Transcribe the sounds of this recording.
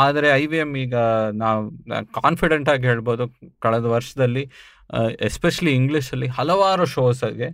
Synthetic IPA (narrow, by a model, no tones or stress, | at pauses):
aːd̪ɐɾe̞ɐjʋiemiːɡɐnaːʋṵkaːnpiɖeɳʈaːɡiɦeːɭbo̞ːd̪ukɐɭɛd̪ɐʋɐɾʂɐd̪ɐlːi | espeʃɐliːŋɡɭiʃɐlːiɦɐlɐʋaːɾuʃoːsɐɡe